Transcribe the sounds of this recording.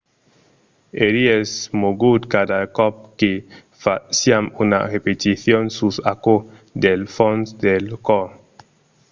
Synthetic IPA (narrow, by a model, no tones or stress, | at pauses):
eɾiesmoɡud̪kad̪akɔp̚ke | fasjamuna̰repet̪iθjonsusako | d̪elfonsd̪elkɔ